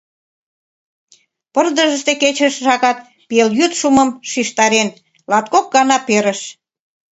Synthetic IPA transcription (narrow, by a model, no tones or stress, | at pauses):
pərd̪əʒə̆ʃt̪eket͡ɕəʃʒɑkɑt̪̚ | peljyt̪ʃuməmʃiʃt̪ɑɾen | lɑt̪kok̚ɡɑnɑpeɾə̆ʃ